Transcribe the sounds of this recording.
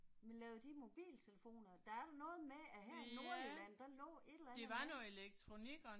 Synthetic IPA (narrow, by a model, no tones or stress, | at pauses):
menlɛːʊð̩ˠd̥imo̝b̥ḭːlt͡sʰe̝ləfo̝̰ːnɐd̥ɑ̈æɐɾ̥ɑnɔ̽ːð̞̩ˠmeæɦæno̝ɐilæn̰d̥ɑlɔ̰̽ːe̝d̥læd̥e̝ʋɑ̈nɔeleɡ̥̚t͡sʰʁo̝niɡ̥ɒ